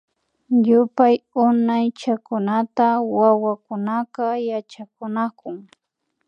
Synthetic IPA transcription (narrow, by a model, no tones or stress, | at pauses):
jʊpajʊnajt͡ʃakʊnat̪awawakʊnaqajat͡ʃakʊnakʊŋ